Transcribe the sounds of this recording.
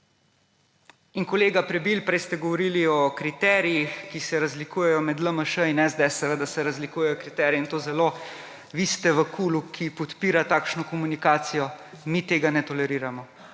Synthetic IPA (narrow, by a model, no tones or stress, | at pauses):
inkɔleːɡapɾɛbiːlpɾɛjst̪ɛɡɔʋɔɾiliɔkɾit̪ɛːɾijixkisɛɾazlikuːjɛjɔmɛd̪ləməʃəinɛzd̪ɛsəɾəd̪asɛɾazlikuːjɛjɔkɾit̪ɛɾjɔint̪oːzɛlo | ʋist̪ɛʋəkʰuːlukʰipɔt̪piːɾat̪aːkʃnɔkɔmunikaːt̪sijɔ | mit̪eːɡanɛt̪ɔlɛɾiːɾamɔ